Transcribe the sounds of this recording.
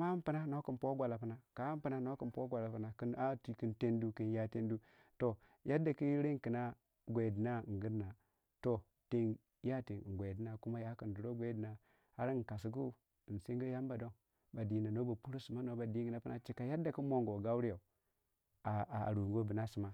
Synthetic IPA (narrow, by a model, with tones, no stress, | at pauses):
ma˦m˦pɨ˦na˦no˦ki˦˨npo˦ɡʷa˨la˨pə˦na˨ka˨˦m˦pə˦na˦no˦ki˨npo˦ɡʷa˨la˨pə˨na˨ki˦na˦ti˨ki˦nte˦ndu˦ki˦nja˦te˦n˦du˦ | to˨ | ja˦da˨ki˦ɾe˦ŋki˨na˦ | ɡʷe˨di˨na˦˨ŋ˨ɡɨ˦ɾna˨ | to˨ | te˦ŋ | ja˦te˨ŋ˨ɡʷe˨di˦na˨ku˦ma˦ja˦ki˨n˨du˨ɾo˦ɡʷe˦di˨na˨ | ha˦ɾi˦ŋ˨ka˨si˨ɡ̬u˦˨ | n˨se˦ŋ˦ɡi˦ja˦mba˨do˦ŋ | ba˨di˨na˨no˦ba˨pu˦ɾo˦su˨ma˦no˦ba˨di˦ɡə˨na˦pə˦na˦t͡ʃi˨ka˨ja˦dːa˨ki˦mo˨ŋɡo˨ɡa˦u˦ɾi˦ja˨ | a˨a˨ɾu˨ŋɡo˦bi˨na˦su˨ma˦